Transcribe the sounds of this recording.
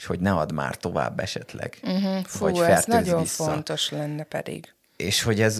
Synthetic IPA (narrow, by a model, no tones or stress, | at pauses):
ʃho̞ɟnɛɒd̪ma̰ːrt̪o̞va̰ːbːɛʃɛt̪lɛ̰ɡ̥̩ɦ̩fuoːfɛsnɒɟo̞ɱfo̞nt̪o̞ʃlɛnːɛpɛ̰d̪ḭɡ̥ | eːʃho̞ɟɛz